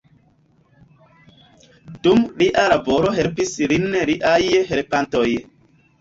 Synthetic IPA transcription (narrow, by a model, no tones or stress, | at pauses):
d̥umliʔalaboɾoɦelpislinɾiʔajhelpantoj